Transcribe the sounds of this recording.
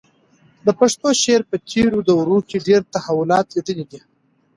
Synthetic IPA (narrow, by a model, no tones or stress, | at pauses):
d̪əpaʂt̪oʃeɾpət͡ʃeɾud̪əwɾukeɖeɾt̪ahawʊlɑt̪liʈ̪əlid̪i